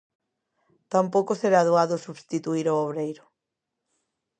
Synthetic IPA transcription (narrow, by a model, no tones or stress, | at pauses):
t̪ampowkʊseɾaðuaðʊsuβst̪it̪uiɾooβɾejɾʊ